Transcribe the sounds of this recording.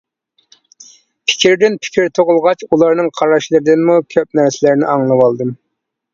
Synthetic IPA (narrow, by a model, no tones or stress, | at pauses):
pʰɪ̥kʲʰiɾɪd̪ɪnpʰɪ̥kʲʰiɾt̪ʰoʁʊlˠʁɑt͡ʃulˠɑɾnɨŋqʰɑɾɑʃlˠɨɾɪd̪ɪnmukʲʰøp̚næɾsɪlæɾnɪʔɑŋlˠɨwɑlˠd̪ɨm